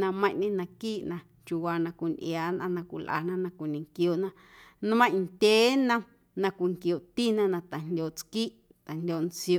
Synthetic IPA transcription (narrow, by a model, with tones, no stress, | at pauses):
nã˧mə̃˦j̃ʔnĩ˦nã˧kiː˦ʔnã˧ | t͡ʃu˧waː˧nã˧kʷi˨nʔj̰aː˨˦nʔã˧nã˧kʷḭ˨lʔa̰˨nã˦nã˧kʷi˨nĩ˨ŋkjo˨ʔnã˧ | nũ˦mã˦˧nd̪ʲe˨˦nã˧ | nã˧kʷi˨ŋkjo˨t̪i˦nã˧nã˧t̪a˨ndʲoː˨t͡skiː˦ʔ | t̪a˨ndʲo˨nt͡sjo˧˨